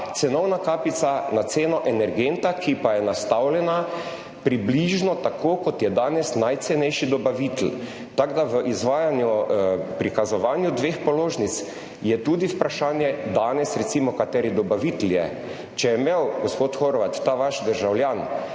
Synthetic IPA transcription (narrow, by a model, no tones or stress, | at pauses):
t̪sɛnɔwnakaːpit̪sanat̪seːnɔʔɛnɛɾɡent̪akʰipajɛnast̪awlɛna | pɾibliʒnɔt̪akʰokɔt̪jɛd̪aːnɛsnajt̪sɛnɛjʃid̪ɔbaʋit̪l | t̪aɡd̪aʋəʔizʋaːjanjupɾikazɔʋaːnjud̪ʋeːxpɔloːʒnit̪s | jɛt̪ud̪iwpɾaʃaːnjɛd̪aːnɛsɾɛt̪simɔkat̪ɛːɾid̪ɔbaʋit̪ljɛ | t͡ʃɛjɛmewɡospoːt̪xoɾʋat̪ːaːʋaʃd̪əɾʒawljaːn